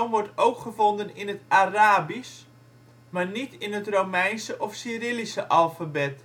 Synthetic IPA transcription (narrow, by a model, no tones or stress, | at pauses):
nʋɔɹtowkχəvondənɪnətaraːbis | marnitɪnətrowmɛjnsəʔɔfsiːɾɪlisəʔalˠfabɛt